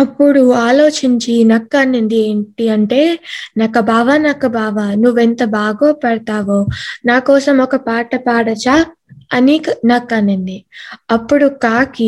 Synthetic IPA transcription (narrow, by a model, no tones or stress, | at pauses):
ɐpːuɽuaːlo̞ːt͡ʃiɲt͡ʃinɐkːɐnːend̪ieːɳʈiɐɳʈe̞ːnɐkːɐbaːʋanɐkːɐbaːʋanuʋːent̪ɐbaːɡoːpɐɽɐt̪aːʋoːnaːkɔːsɐmɔkɐpaːʈɐpaːɽɐt͡ʃaː | ɐniknɐkːɐnend̪iɐpːuɽukaːki